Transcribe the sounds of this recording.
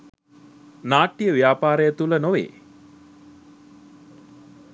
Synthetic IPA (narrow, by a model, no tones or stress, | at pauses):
naːʈːijəʋijaːpaːɾəjət̪ulənoʋḛː